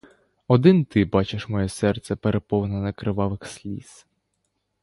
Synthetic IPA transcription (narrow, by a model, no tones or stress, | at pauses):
ɔd̪ɪnt̪ɪbɑt͡ʃeʃmɔjɛsɛrt̪sʲɛpeɾepɔwnɐnɐkɾɪʋɑʋɪxsʲlʲḭs